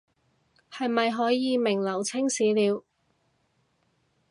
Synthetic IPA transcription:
hɐ˨jmɐ˨jɦɔː˨˥jiː˨˧mɪ˨˩ŋlɐ˨˩wt͡sʰɪ˥ŋsiː˨˥liː˨˧w

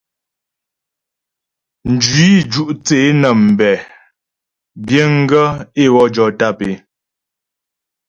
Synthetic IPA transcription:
n̩˨d͡ʒi˦d͡ʒu˦ʔt͡se˨˦nə˨m̩˨bɛ˨ | bje˦ŋ̩˦ɡə˦e˦˨wɔ˦d͡ʒɔ˨˦ta˦˨pe˨

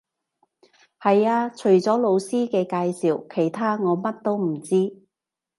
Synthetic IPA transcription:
hɐ˨jaː˧t͡ʃʰɵ˨˩ɥt͡sɔː˨˥lo˨˧wsiː˥kɛː˧kaː˧jsiː˨˩wkʰe˨˩jt̪ʰaː˥ŋɔː˨˧mɐ˥t̚t̪o˥wm̩˨˩t͡siː˥

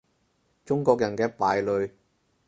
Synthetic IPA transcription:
t͡ʃʊ˥ŋkɔː˧k̚jɐ˨˩nkɛː˧paː˨jlɵ˨˧ɥ

